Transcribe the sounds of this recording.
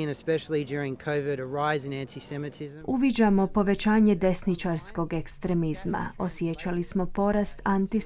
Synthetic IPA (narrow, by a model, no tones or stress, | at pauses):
nɨspɛʃl̩ˠid͡ʒʊɹɪ̃ŋkʰoʊvɪɾə˞aɪzɨ̃næ̃ntʰisɛmɨtʰɪzuʋid͡ʑamo̞po̞ʋet͡ʃaːɲe̞d̪e̞snit͡ʃaɾsko̞ɡe̞kst̪ɾe̞mizma̰o̞sjet͡ʃalismo̞po̞ɾast̪ant̪i